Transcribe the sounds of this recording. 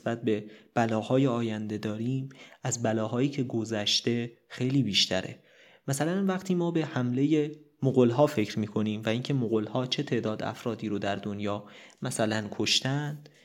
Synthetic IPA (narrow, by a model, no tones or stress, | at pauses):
sbæt̪̚be̞b̥ælɒːhɒːjeɒːjænd̪e̞d̪ɒːɾiːmæzbælɒːɦɒːjiːcʰe̞ɡo̞zæʃt̪e̞ | xe̞jliːbiːʃt̪ʰæ̰ɾḛ | mæsælænvæqt̪ʰiːmɒːbe̞hæmle̞jemoɣolɦɒːfe̞cɾmiːkʰo̞niːmvæiːŋcʰe̞moɣolhɒːt͡ʃʰe̞t̪ʰe̞ʔd̪ɒːd̪æ̰fɾɒːd̪iːɾod̪æɾd̪onjɒːmæsælænkʰo̞ʃt̪ænd̪̥